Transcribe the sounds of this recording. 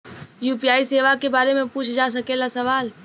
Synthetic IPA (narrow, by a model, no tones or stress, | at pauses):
juːpijaːiseːʋakebaːɾemẽpuːt͡ʃʰd͡ʒas̬ɐkelasɐʋaːl